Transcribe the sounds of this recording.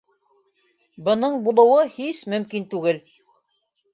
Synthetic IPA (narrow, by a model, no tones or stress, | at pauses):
bɤ̆nɤɴbulˠɤ̆wɤhismɵ̆mkint̪ʉɡɘl